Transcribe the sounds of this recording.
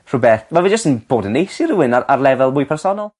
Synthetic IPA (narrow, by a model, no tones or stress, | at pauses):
r̥ʊbɛθvɛlˠvid͡ʒəstənb̥oːdənːejsir̥uɪnaɾarlˠɛvɛlˠmʊɨjpʰɛrsɔnɔlˠ